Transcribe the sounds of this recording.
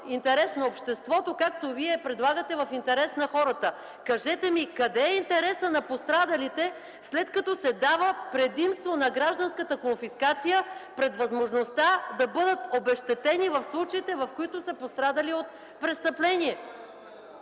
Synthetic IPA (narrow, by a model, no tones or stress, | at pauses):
int̪ɛɾɛsnɐopʃt̪ɛst̪vɔt̪okak̚t̪oviɛpɾɛd̪lˠaɡət̪ɛvɐfint̪ɛɾɛsnɐxɔɾət̪ə | kɐʒɛt̪ɛmikɐd̪ɛːint̪ɛɾɛsənɐpost̪ɾad̪ɐlit̪ɛ | slɛt̪kɐt̪ɔsɛd̪avəpɾɛd̪imst̪vonɐɡɾaʒd̪ɐnskət̪əkonfiskat̪sijəpɾɛd̪vɐzmoʒnost̪ad̪ɐbɤd̪ət̪obɛʃt̪ɛt̪ɛnivɐfslˠut͡ʃɐit̪ɛvɐfkoit̪osɐpost̪ɾad̪əliot̪̚ | pɾɛst̪əplɛniɛ